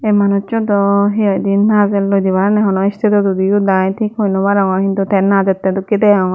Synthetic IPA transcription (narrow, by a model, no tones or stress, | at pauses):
emanut͡ʃɔt̪ɔɦiɔjd̪inːazɛllojd̪ibaɾanɛɦɔnɔist̪ʰit̪ɔd͡ʒud̪iud̪ajt̪ʰikhojnɔbaɾɔŋɔkint̪ut̪ʰɛnːad͡ʒɛt̪ːɛd̪ukːit̪ɛɔŋɔ